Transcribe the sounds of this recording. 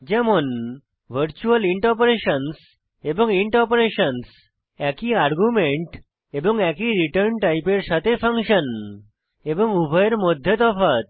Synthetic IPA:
d͡ʑɛmon | ʋ̤əɾt͡ɕuəliɳʈpoɾeɕəns | ebɔŋiɳʈɔpɾeɕəns | ɛkiaɾɡumeɳʈ | ebɔŋɛkiɾiʈəɾnʈajpeɾsat̪ʰefʰə̃ŋkɕən | ebɔŋubʱəjeɾmɔd̪ʱjet̪ɔfat̪̚

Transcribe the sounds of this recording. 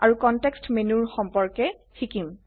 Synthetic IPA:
aɹukɔntɛkstmenuɹxɔmpɔɹkɛtʰikim

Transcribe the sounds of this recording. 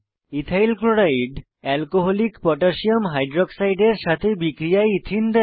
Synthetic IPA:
it̪ʰajlkɾoɽaiɖ | ɛlkoɦolikpɔʈaʃiomɦajɖɾoksajɖeɾʃat̪ʰebikɾijaeit̪ʰind̪ɛ

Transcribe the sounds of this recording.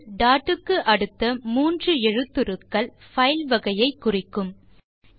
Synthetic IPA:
ɖaːʈːɯkːɯʔɐɽɯt̪ːɐmuːndrɯɛɻɯt̪ːɯɾɯkːɐɭ | fɐɪlʋɐɣɐjɐɪkːʊrɪkːɯm

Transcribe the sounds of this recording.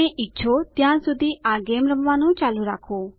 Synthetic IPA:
ẽʔɪtːʃʰot̪jãːsʊd̪ʱiʔaːɡeːmɾəmʋãːnũːt͡ʃaːluɾaːkʰoː

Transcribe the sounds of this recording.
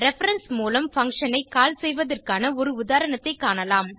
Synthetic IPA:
ɾɛfɐɾɐnsmuːlɐmfɐŋkʂɐnɐɪkaːlsɛjʋɐðɐrkaːnɐɔɾɯʊðaːɾɐɳɐt̪ːɐɪkːaːɳɐlaːm

